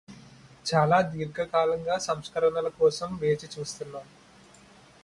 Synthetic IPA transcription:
t͡ʃaːlaːd̪iːɾɡɐkaːlɐŋɡaːsɐmskɐɾɐɳɐlɐkɔːsɐmʋeːt͡ʃit͡ʃuːst̪unːaː

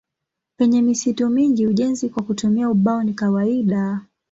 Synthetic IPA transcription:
pɛɲɛmisitumiŋɡiuʄɛnzikwakutumiauɓaɔnikawaiɗa

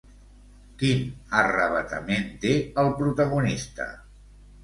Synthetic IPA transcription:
kinərəβət̪ə̰ment̪eəlˠpɾut̪əɣ̞unist̪ə̰

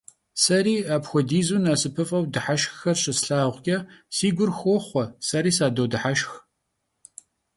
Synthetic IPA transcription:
sɐɾiːaːpxʷɔdiːzunasɨpʰɨfʼɐwdɨħaʃxxɐrɕɪsɬaːʁʷkʲʼɐsiːɡʷʊrxɔχʷɔsɐɾiːsaːdowdɨħaʃx

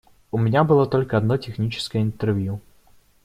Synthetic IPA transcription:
ʊmʲɪnʲabɨlˠot̪olʲkəɐd̪notʲɪxnʲit͡ɕɪ̥skəjəɪnt̪ɛrvju

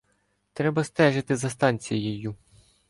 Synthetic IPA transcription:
t̪ɾɛbɐst̪ɛʒɪt̪ɪzɐst̪ɑnʲt͡sʲijɪjʊ

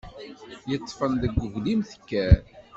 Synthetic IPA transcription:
jət͡sˤːfənðəɡʷːəvlimθə̥kːæɾ

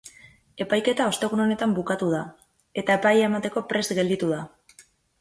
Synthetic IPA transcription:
e̞pajke̞t̪ao̞st̪e̞ɣ̞uno̞ne̞t̪ambukat̪uð̞a | e̞t̪ae̞pajemat̪e̞ko̞pɾe̞st̪ɡe̞ld̪it̪uða

